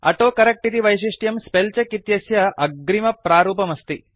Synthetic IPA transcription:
ɐ̰ʈoːkɐɾɐk̚ʈit̪iʋɐjʃ̬iʂʈjɐmspelt͡ʃɐkit̪jɐsjɐɐɡɾimɐpɾaːɾuːpɐmɐst̪i

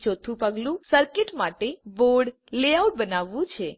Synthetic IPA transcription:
t͡ʃot̪ʰũpəɡlũsəɾkeʈmaʈeboɾɽ | leauʈ̚bənaʋːũt͡ʃʰe

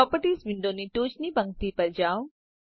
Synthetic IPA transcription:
ɔːpəʈiːsʋɪ̃ɳɖõniʈoːt͡ʃnibɐ̃ŋɡ̚t̪ipɐɾd͡ʒaːw

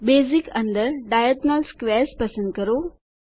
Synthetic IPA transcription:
bezikɐnd̪əɾɖajət̪nalskʋɛɾspəsə̃nd̪̚kəɾo

